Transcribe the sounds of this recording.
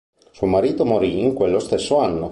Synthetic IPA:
suomaɾiːt̪omoɾiːŋkwelːost̪esːoanːo

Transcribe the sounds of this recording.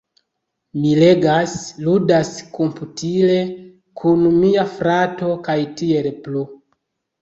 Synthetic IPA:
mile̞ɡasludaskomputile̞ | kʰunmiafɾato̞kajtie̞lplu

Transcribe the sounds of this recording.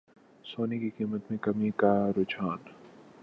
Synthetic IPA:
soːnikiqiːmət̪mẽkɐmikaɾoːt͡ʃaːn

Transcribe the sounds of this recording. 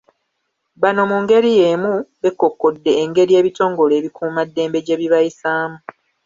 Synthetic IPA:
βano̞muŋɡe̞ɾije̞muβe̞kːo̞kːodːe̞ːŋɡe̞ɾie̞ːβito̞ːŋɡo̞le̞ːβikʰuːmadːe̞ːmbe̞ɟe̞βiβajisaːmu

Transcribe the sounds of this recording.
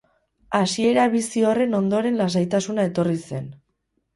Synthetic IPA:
asie̞ɾaβisio̞re̞no̞nd̪o̞ɾe̞nlasajt̪asunae̞t̪o̞rise̞n

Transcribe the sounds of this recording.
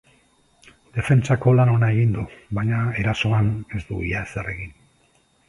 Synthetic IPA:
d̪̥e̞fe̞nt͡sako̞lano̞nae̞ɣind̪uβajɲae̞ɾaso̞ane̞zd̪uḭjasere̞ɣin

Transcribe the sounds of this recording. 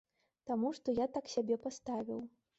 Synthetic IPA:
t̪amuʂt̪ɔjat̪aksʲabʲɛpast̪avʲḭw

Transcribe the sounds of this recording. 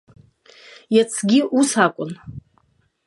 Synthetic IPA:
jat͡sʰɡʲiʔusakʷʼʊn

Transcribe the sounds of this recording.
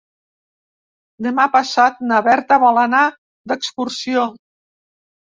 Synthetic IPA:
d̪əmapasat̪̚naβɛɾt̪aβalana | d̪əkskuɾsio

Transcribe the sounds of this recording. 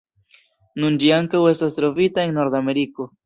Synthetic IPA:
nund͡ʒiaŋkawe̞stast̪ɾo̞vitae̞ŋno̞ɾd̪ame̞ɾiko̞

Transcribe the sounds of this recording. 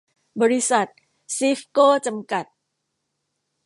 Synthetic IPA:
bəɾisat̪̚ | sifkot͡ʃəmkat̪̚

